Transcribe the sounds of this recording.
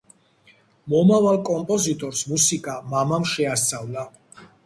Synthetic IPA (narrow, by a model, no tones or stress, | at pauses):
mɔmavalˠkʼɔmpʼɔzit̪ʼɔɾsmusikʼamamamʃɛast̪sʼavlˠa